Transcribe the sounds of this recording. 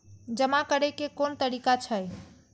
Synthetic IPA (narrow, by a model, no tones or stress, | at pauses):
d͡ʒəmakəɾɛkekont̪əɾikat͡ʃʰəj